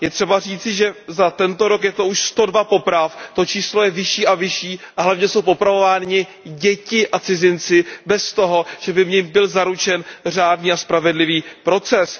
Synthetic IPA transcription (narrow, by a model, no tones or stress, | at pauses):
jɛt̪r̥ɛbariːt͡sɪʒɛzat̪ɛnt̪o̞ɾokjɛt̪o̞uʃst̪o̞dvapo̞pɾaft̪o̞t͡ʃiːslo̞jɛvɪʃiːʔavɪʃiːʔaɦlavɲɛsowp̬o̞pɾavo̞vaːɲɪ | ɟɛcɪʔat͡sɪzɪnt͡sɪbɛst̪o̞ɦoʒ̥ɛbɪvɲɪmbɪlzaɾut͡ʃɛnr̝aːdniːaspɾavɛdlɪviːpɾo̞t͡sɛs